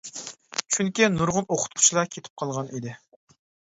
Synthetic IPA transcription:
t͡ʃʰyŋkʲinuɾʁʊnoqʰʊ̥t̪̚qʰʊ̥t͡ʃʰilˠɑkʲʰet̪ʰɪ̥p̚qʰɑlˠʁɑnid̪ɪ

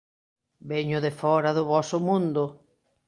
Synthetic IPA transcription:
beɲʊðefɔɾaðʊβɔsʊmũnd̪ʊ

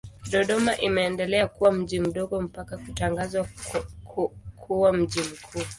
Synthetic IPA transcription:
ɗɔɗɔmaʔimɛːndɛlɛakuwam̩ʄim̩ɗɔɡɔm̩pakakutaŋɡazwa | kʰuwam̩ʄim̩kʰuː

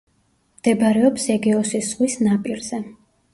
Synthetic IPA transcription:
md̪̥ɛbɾɛɔpsɛɡɛɔsisʁwisnapʼiɾz̥ɛ

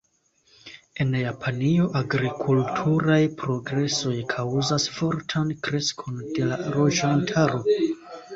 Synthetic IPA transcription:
e̞njapʰanio̞ʔaɡɾikʰultʰuɾajpɾo̞ɡɾe̞so̞jkʰawzasfo̞ɾtʰankɾe̞skʰo̞nde̞laɾo̞ʒantʰaɾo̞

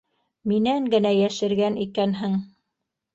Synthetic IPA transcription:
minæŋɡɘ̆næjæʃɘ̆ɾɡænikænɦɘŋ

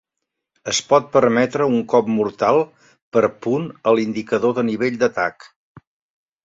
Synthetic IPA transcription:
əspɔt̪̚pəɾmɛt̪ɾəuŋkɔpmuɾt̪alˠ | pəɾpunəlind̪ikəðoðəniβeʎʲd̪ət̪ak

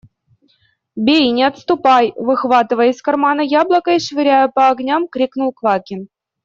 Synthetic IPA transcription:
bʲejnʲɪɐt̪st̪upɑjvɨxvɑt̪ɨvəjɪsʲkɐrmɑnəjablˠəkəiʂvʲɪɾʲæjəpɐːɡnʲamkɾʲiknulˠklˠɑkʲɪn

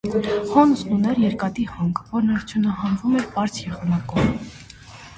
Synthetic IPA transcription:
hɔnsunɛɾjɛɾkɑt̪ihɑŋɡvɔɾnɑɾt͡sʰjunɑɦɑnvumɛɾpɑɾt͡sʰjɛʁɑnɑkɔv

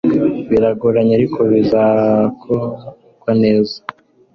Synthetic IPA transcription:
βiɾaɡuɾaɲaɾikʰoβizakʰo | kwane̞ːzḁ

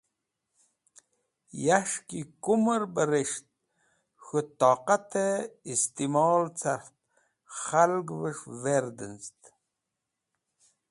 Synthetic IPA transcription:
jaʃkikuməɾbəɾeʃt̪̚ | xut̪ɑːqat̪ʰeist̪imɑːlt͡sʰaxt̪̚ | χalɡvəʂveɾd̪ənst̪

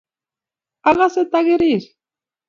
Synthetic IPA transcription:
aɣaset̪aɣeɾiɾ

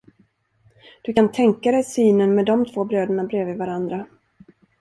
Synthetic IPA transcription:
d̪̥ɵkant̪ʰɛŋkad̪ɛjsyːnənmɛd̪ɔmt̪ʰv̥oːbɾøːd̪əɳabɾeːvɪvaɾand̪ɾa

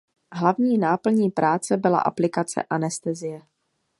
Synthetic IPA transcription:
ɦlavɲiːnaːpl̩ɲiːpɾʔaːt͡sɛbɪla̰ʔa̰plɪkat͡sɛ̰ʔanɛst̪ɛzɪjɛ

